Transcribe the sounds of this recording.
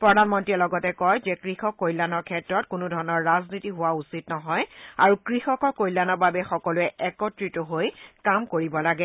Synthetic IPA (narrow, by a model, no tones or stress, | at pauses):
pɹɔdanmɔntiɛlɔɡɔtɛkɔjzɛkɹixɔkːojlːanɔɹkʰɛtɹɔtkʊnʊdʱɔɹɔnɔɹːaznitiɦʊwausitnɔɦɔjaɹukɹixɔkɔkojlːanɔbabɛxɔkɔlʊɛʔɛkɔtɹitʊɦojkamkoɹibɔlaɡɛ